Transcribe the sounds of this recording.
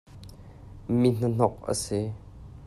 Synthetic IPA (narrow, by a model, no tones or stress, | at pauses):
min̥ən̥ɔk̚ə̰si